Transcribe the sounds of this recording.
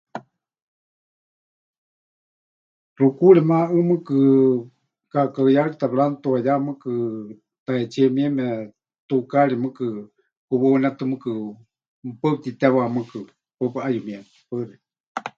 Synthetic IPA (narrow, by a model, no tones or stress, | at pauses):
rukuɺɛmaʔɨmɨkɨ | kakəjaɺit̪aβlant̪uajamɨkɨ | t̪aɛt͡ʃʰɛmiɛmɛ | t̪ukaɺimɨkɨ | kuβɨnɛt̪ɨmɨkɨ | pəp̚t̪it̪ɛwamɨkɨ | pəpɨʔajumiɛm | pəri